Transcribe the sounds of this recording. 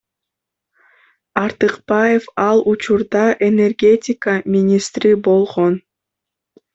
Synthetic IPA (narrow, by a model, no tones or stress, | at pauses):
ɑɾt̪ɨqbɑjefɑlˠut͡ʃuɾd̪ɑʔe̞ne̞rɡʲe̞tʲɪkəmʲinʲist̪ɾibolˠʁo̞n